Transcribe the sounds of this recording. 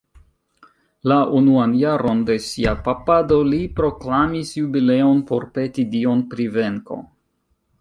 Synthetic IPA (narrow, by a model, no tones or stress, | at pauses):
launuanjaɾo̞nde̞siapapado̞lipɾo̞klamisjubile̞onpo̞ɾpe̞tidio̞npɾive̞ŋko̞̰